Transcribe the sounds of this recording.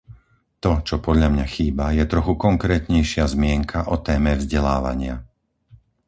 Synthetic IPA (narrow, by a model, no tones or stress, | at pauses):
t̪ɔt͡ʃɔpɔd̪ʎamɲaxiːbajɛt̪ɾɔxukɔŋkɾɛːt̪ɲɛjʃɪazmɪɛŋkʰaʔɔt̪ɛːmɛvzɟɛla̰ːʋa̰ɲɪa